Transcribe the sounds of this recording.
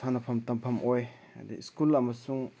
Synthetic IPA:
anɐpʰɐmt̪ɐmpʰɐmʔoj | ɐ̰d̪ḭskulɐmɐsuŋ

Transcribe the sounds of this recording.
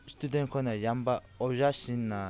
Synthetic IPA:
st̪ud̪ɛ̃nkʰɔnajamba | ɔʒaʃinːa

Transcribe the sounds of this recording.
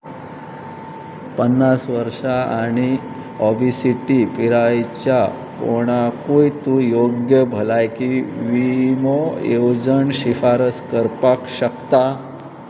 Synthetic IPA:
pənːasʋəɾʂaaɽ̃i | ɔbisiʈipiɾajt͡ɕja | ko̰ɽ̃akojt̪ũjoɡjəbʱəlajkiʋimojewd͡ʑəɳɕifaɾəskəɾpakɕəkt̪a

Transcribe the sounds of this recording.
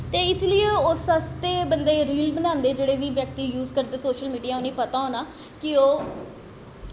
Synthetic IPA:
t̪eːɪslɪeʊsəst̪eːbənd̪eːɾiːlbənãːnd̪eːd͡ʒeːɽeːʋiːʋjək̚t̪iːjuːzkəɾd̪eːsoːʃəlmiːɖijaːonĩːpət̪aːonaː | kɪoː

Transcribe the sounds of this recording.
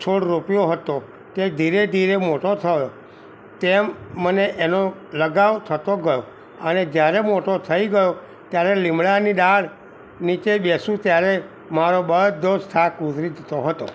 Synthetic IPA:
t͡ʃʰoɽɾopijoɦət̪o | t̪ed̪ʱiɾed̪ʱiɾemoʈot̪ʰəjo | t̪emːəneʔenoləɡaʋt̪ʰət̪oɡəjo | əned͡ʒjaɾemoʈot̪ʰəiɡəjo | t̪jaɾelɪmɭaniɗaɽ | nit͡ʃebesũt̪jaɾe | maɾobəɦt̪̚d̪od͡ʒtʰakut̪ɾid͡ʒ̪ʱət̪oɦət̪o̰

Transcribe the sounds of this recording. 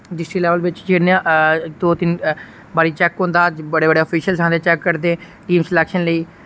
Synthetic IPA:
ɖɪsʈɾiːlɛːʋəlʋɪt͡ʃd͡ʒɪnːd̪oːt̪ɪn | baːɾiːt͡ʃɛːkɦõːnd̪aːbəɽeːbəɽeːɔːpʰiːʃəlsãːd̪eːt͡ʃɛːkːəɾd̪eː | ʈiːmslɛːkʃənləiː

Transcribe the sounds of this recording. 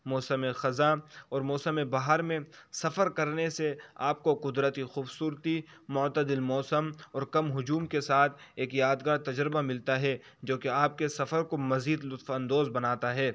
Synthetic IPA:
mɔːsəmexɐzaɔːɾmɔːsəmebaːɦəɾmẽsɐfəɾkɐɾneseaːp̚koqʊd̪ɾət̪ixuːbsuːɾt̪imʊt̪əd̪ɪlmɔːsəmɔːɾkɐmɦʊd͡ʒuːmkesaːt̪ʰeːkjaːd̪ɡaːɾt̪ɐd͡ʒɾɪbamɪlt̪aɦɛ | d͡ʒoːkeaːp̚kesɐfəɾkomɐziːd̪lʊt̪fɐ̃nd̪oːzbɐnaːt̪aɦɛː

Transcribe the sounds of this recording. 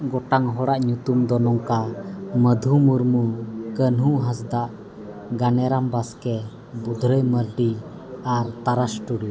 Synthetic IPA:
ɡɔʈaŋɦɔɽaʔɲut̪umd̪ɔnɔŋkaməd̪ʱumuɾmukənɦuɦasd̪aʔ | ɡanɛɾambaskɛ | bud̪ʱɾəjməɾɖi | aɾt̪aɾasʈuɽi

